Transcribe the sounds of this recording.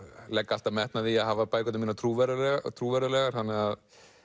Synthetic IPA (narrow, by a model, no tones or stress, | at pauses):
lɛkːaal̥t̪amɛht̪naðiaɦaːvapaːjkɔt̪ɪmiːnat̪ʰɾuːvɛɾalɛɣat̪ʰɾuːvɛɾalɛɣaɾ̥θanːɛað